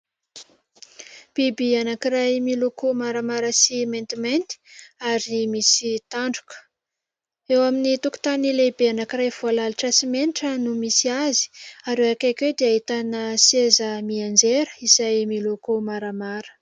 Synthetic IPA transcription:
b̥ibianakiɾajmilokomaɾamaɾəsimẽnt̪iment̪i̥aɾimisit̪aɳɖ͡ʐukə̥ | ewaminit̪uku̥t̪anilebeanakirajv̥oalaliʈ͡ʂasimeniʈ͡ʂənumisiazi̥aɾewakakewd̪eaɦit̪anəsezəmiand͡ʒeɾə̥izajmilokomaɾəmaɾə̥

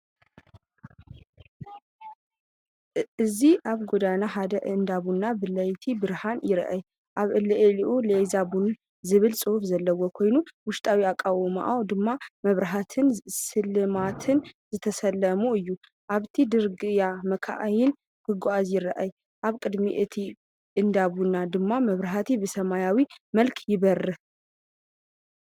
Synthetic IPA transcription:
ʔɨziʔaβɡo̞d̪anaɦad̪ɐʔɨnd̪aβunːabɨlːɐjt̪ʰibɨɾhanjɪɾ̰ʔaj | ʔaβɨlɐʔeliʔulezabun | zɨβɨlsʼɨhufzɐlːɐwokʰo̞jnuwʊʃt̪ʼʰawiakʼːawma̰ʔawd̪ɨmːamɐβɾɐɦat̪ʰɨnsɨlɨmat̪ʰɨnzɨt̪ʰɐsɐlːɐmuɨjːu | ʔaβt̪ʰid̪ɨɾɡɨjamɐkʰa̰ʔajɪn | kʰɨɡoazjɪɾɐʔaj | ʔaβkʼɨd̪mḭʔɨt̪ʰi | ʔɨnd̪abunːad̪ɨmːamɐβɾɐɦat̪ʰibɨsɐmajawimɐlkʰjɪβɐrːɨ

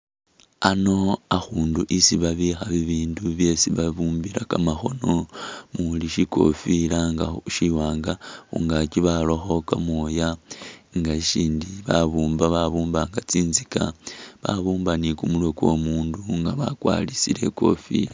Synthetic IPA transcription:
ano̞axuːnduʔisiβaβixaβiβiːnduβje̞siβaβuːmbiɾakamaxo̞no̞muliʃiko̞̰filaŋɡaʃiwaːŋɡaxṵŋɡakiβaloxo̞kamojaŋɡaiʃiːndiβaβuːmbaβaβuːmbaŋɡat͡siːnzikaβaβuːmbanikumulwe̞kwo̞̰muːnduŋɡaβa̰kwa̰ːlisile̞̰ko̞fḭla

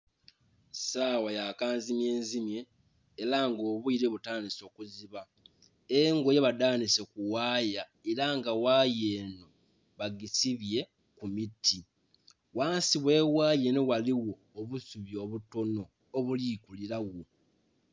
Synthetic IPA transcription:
saːwajakaːnzimje̞ːnzimje̞ː | ɾaŋɡo̞ːβuiɾe̞βutaːniso̞ːkuziβa | eŋɡoje̞βadaːnise̞kuwaːja | eɾaŋɡawaje̞ːno̞ | βaɡisiβje̞ | kumitʰːi | waːnsiβwe̞waːjenowaliwo̞ːβusuβjo̞ːβuto̞no̞ː | βuliːkuliɾawo

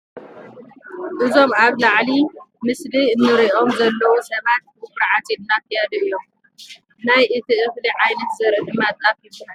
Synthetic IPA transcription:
ʔɨzo̞mʔaβlaʕlimɨsliɨnːɨɾiʔo̞mzɐlːɐwusɐβat̪̚ɨbɨɾʕat̪inːakijad̪ɨjːom | najʔɨt̪ʰiʔɨxliʕajnɐt̪zɐɾɨd̪ɨmat̪ʼːafiluna

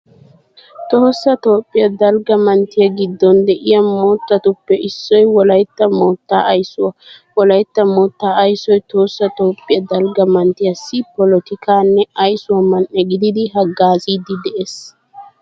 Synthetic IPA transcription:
t̪oːsːɐt̪o̞ːpʼːɪjɐd̪ɐlɡɐmɐnt̪ɪjɐɡɪd̪ːɔnd̪ɛʔɪjɐmo̞ːt̪ːɐt̪ʊpːɛʔɪsːɔjwɔlɐjt̪ːɐmoːt̪ːaːɐjsʊwɔlɐjt̪ːɐmoːt̪ːaːɐjsɔjt̪o̞ːsːɐt̪o̞ːpʼːɪjɐd̪ɐlɡɐmɐnt̪ɪjɐsːɪpɔlɔt̪ɪkʰaːnːɛɐjsʊwɐmɐnʔːɛɡɪd̪ɪd̪ɪɦɐɡːaːziːd̪ɪd̪ɛʔeːs

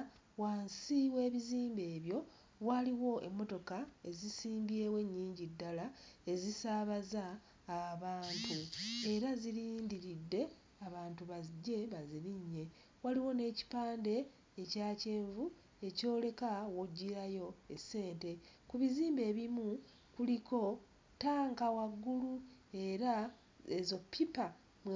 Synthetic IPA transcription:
waːnsiwe̞ːβiziːmbe̞ːβjo̞ | βwaliwo̞e̞mːo̞to̞kae̞zisiːmbieːwe̞ɲːiːɲɟidːalae̞zisaːβazaː | βaːntʰue̞ɾaziɾiːndiɾidːe̞ | aβaːntuβaɟːe̞βaziɾiɲːe̞ | waliwo̞ne̞ːci̥paːnde̞ː | caːce̞ːɱvu | e̞co̞ːle̞kawoɟːiɾajo̞esːe̞ːnte̞kuβiziːmbe̞ːβimu | kuliko̞ | taːŋkawaɡːulu | e̞ɾa | ezo̞pʰːipa | mw

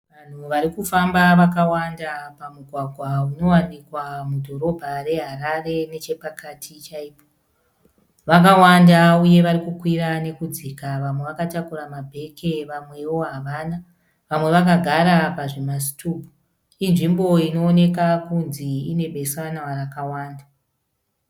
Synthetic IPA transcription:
ʋan̤uʋaɾikufambaʋakawandapamuɡʱwaɡʱwauno̞wandikwamudʱo̞ɾo̞bʱare̞ɦaɾare̞ne̞t͡ʃe̞pakatʰit͡ʃaiːpo | ʋakawandauje̞ʋaɾikukwirane̞kud͡zikaʋamwe̞ʋakatakuɾamabʱe̞kʰe̞ʋamwe̞wo̞ɦaʋaːna | ʋamwe̞ʋak̬aɡʱaɾapaʐemas̬i̥tʰuːpu | inʐimbo̞ino̞ːne̞kakunziine̞bʱe̞sanawarakawaːnda

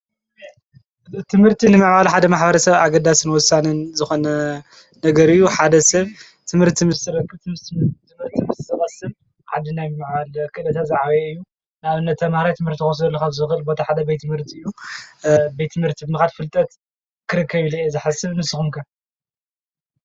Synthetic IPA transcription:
t̪ʰɨmhɨɾt̪ʰinɨmɨʕbalħad̪ɐmaħbɐɾɐsɐβaɡɐd̪asɨnwɔsːanɨnzɨxo̞nɐ | nɐɡɐɾɨjːuħad̪ɐsɐβ | t̪ʰɨmhɨɾt̪ʰimɨst̪ɨɾɐkːɨt̪ɨmɨɾt̪ʰimɨst̪sɐβat̪sɨm | ʕa̰d̪ːinajɨmɨʕbalkʰɨʔlɐt̪ʰat̪zaʕaweɨjːu | naβɨnːɐt̪ʰːɐmahɾajt̪ʰɨmhɨɾt̪ʰikxos̬ɐlːɐkʰaβzɨxɨlbo̞t̪ʰaħad̪ɐbejt̪ːɨmhɨɾt̪ʰiɨjːu | bejt̪ʰɨmhɨɾt̪ʰibɨnɨxad̪fɨlt̪ʼɐt̪ | kʰɨɾɨkːɐβiliezɨħasɨβnɨsɨxumkʰɐ

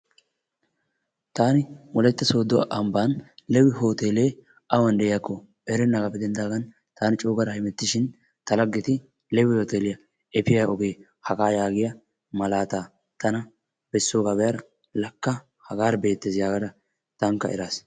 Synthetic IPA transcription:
t̪aːnɪwɔlɛt̪ːɐso̞ːd̪ɔ̰ʔɐmbaːnlɛwɪɦo̞ːt̪eːleː | ʔɐwɐnd̪ɛʔɪjakːɔ | ɛɾɛnːɐɡɐpːɛd̪ɛnd̪aːɡɐn | t̪aːnɪt͡ʃʼoːɡɐɾɐhɪmɛt̪ːɪʃɪn | t̪ɐlɐɡːɪt̪ɪ | lɛwɪhoːt̪eːlɪjɐ | ɛpɪjɐɔɡe̞ː | hɐɡaːjaːɡɪjɐ | mɐlaːt̪aː | t̪ɐnɐ | b̥ɛsːoːɡabɛjɐɾɐ | lɐkːɐ | hɐɡaːɾbe̞ːt̪ːezɪjaːɡɐd̪ɐ | t̪ɐŋkːɐɛ̰ɾaːs

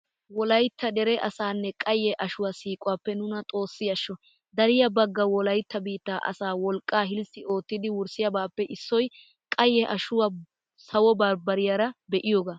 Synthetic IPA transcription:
wɔlɐjt̪ːɐd̪ɛɾɛʔɐsaːnːɛkʼɐjːɛʔɐʃʊwasiːkʼʊwaːpːɛnʊnɐt̪ʼo̞ːsːɪjɐʃːɔ | d̪ɐɾɪjɐbɐɡːɐwɔlɐjt̪ːɐbiːt̪ːaːʔɐ̰saːwɔlkʼːaːhɪlsɪo̞ːt̪ːɪd̪ɪwʊɾsɪjɐbaːpːɛʔɪsːɔj | kʼɐjːɛʔɐʃʊwa | sɐwɔbɐɾbɐɾɪjaːɾɐbɛʔɪjoːɡaː

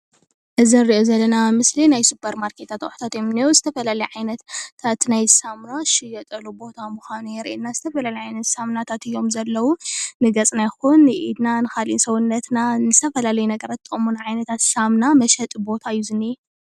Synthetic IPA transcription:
ʔɨzinɨɾiʔo̞zɐlːɐnamɨslinajsupʰɐɾmaɾkʰe̞t̪ʰat̪ʔʼʊħt̪ʰat̪jɛmɨneuzɨt̪ʰɐfɐlalɐjʕajnɐt̪ʰat̪najsamnaʃɪjɐt̪ʼɐlubo̞t̪ʰamuxʷanujɛɾʔenːazɨt̪ʰɐfɐlalɐjʕajnɐt̪samnat̪ʰat̪ɨjːo̞mzɐlːɐwunɨɡɐt͡sʼnajxunːɨʔid̪nanɨxalʔḭnsɐwunːɐt̪nanɨzt̪ʰɐfɐlalɐjunɐɡɐɾat̪ːʰɨkʼomunajʕajnɐt̪ʰat̪samnamɐʃɐt̪ʼbo̞t̪ʰaɨjːuzɨnːi

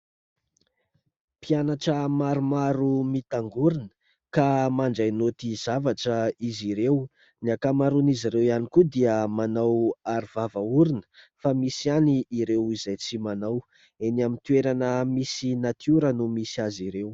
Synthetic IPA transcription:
pianaʈ͡ʂəmaɾumaɾumit̪aŋɡuɾinə̥ | kamaɳɖ͡ʐajnot̪iz̥avaʈ͡ʂəiziɾew | niakamaɾuniziɾewianikud̪iəmanawaɾivavauɾinə̥ | famisianiiɾewizajt͡simanaw | enamit̪ueɾanəmisinat̪iuɾənumisiaziɾew

